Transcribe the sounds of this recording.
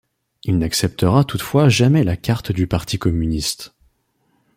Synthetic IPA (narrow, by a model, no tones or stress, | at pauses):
ilnaksɛp̚t̪əʁat̪ut̪fwaʒamɛlakʲaʁt̪d̪ypaʁt̪ʰikɔmynist̪